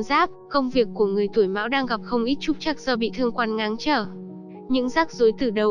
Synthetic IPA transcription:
zaː˦˥p̚kə˧wŋ͡mvi˨˩əkːu˧˩əŋɨ˨˩əjt̪u˧˩əjma̰ː˧˥wɗaː˧ŋɣa˨˩p̚xə˧wŋ͡mʔi˦˥t̚t͡ɕʊ˦˥k͡p̚t͡ɕa˦˥k̚z̥əː˧˩ɓḭ˧˨t̪ʰɨ˧əŋkwaː˧nŋa˨˦nt͡ɕəː˧˩ | ɲɨ̰˧˥ŋzaː˦˥k̚zo˨˦jt̪ɨ˧˩ɗə˨˩w

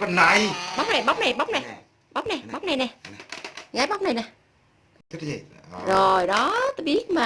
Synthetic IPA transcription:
a˨˩nːa˨˧˩jɓa˦˥wk͡p̚na˨˩jɓa˦˥k͡p̚na˨˩jɓa˦˥wk͡p̚na˨˩ | ɓa˦˥k͡p̚na˨˩jɓɓa˦˥wk͡p̚na˨˩jnɛ˨˩ | ɣaː˨˦jɓa˦˥wk͡p̚na˨˩jnɛ˨˩˦ | zo˨˩jɗɔ˨˦t̪o˨˦jɓi˦˥ət̚maː˨

